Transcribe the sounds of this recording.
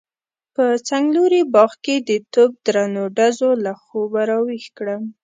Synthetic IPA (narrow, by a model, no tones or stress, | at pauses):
pət͡saŋɡloɾibɑɣked̪ət̪ob̚d̪ɾanoɖazolaxobaɾɑwixkɽəm